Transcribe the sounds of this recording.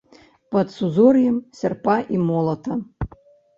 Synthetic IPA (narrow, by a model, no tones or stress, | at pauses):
pɐt̪suzɔrjɛmsʲɐrpaʔimɔlˠɐt̪ʰɐ